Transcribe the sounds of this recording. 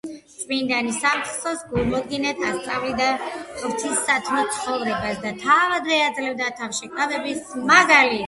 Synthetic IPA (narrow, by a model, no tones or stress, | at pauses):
t̪sʼmind̪anisamt̪χsɔsɡuɾmɔd̪ɡinɛt̪ʰast̪sʼavlid̪aɾt̪ʰisːat̪ʰmɔt̪sʰχɔvɾɛbasd̪at̪ʰavad̪vɛad̪zlɛvd̪at̪ʰafʃikʼad̪ɛbismaɡali